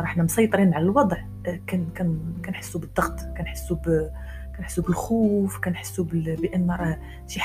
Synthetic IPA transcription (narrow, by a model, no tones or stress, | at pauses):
ɾˤɑħnæmsˤɑjt̪ˤɾinʕalælwɑd̪ˤʕ | kænkænkænħə̥sːubəd̪ˤːɑɣt̪ˤkænħə̥sːub | kænħə̥sːubəlxufkænħə̥sːubbəʔənːɾˤɑh | ʃiħ